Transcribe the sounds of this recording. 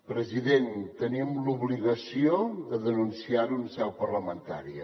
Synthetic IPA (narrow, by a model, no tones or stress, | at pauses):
pɾəziðent̪ənimluβliɣəsioðəðənunsiaɾunəsɛwpərləmənt̪aɾiə